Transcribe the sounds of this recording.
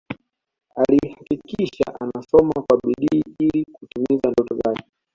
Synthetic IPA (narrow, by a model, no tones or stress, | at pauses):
alihakikiʃa̰ʔanasɔmakwaɓiɗiːilikutumizandɔtɔzakɛ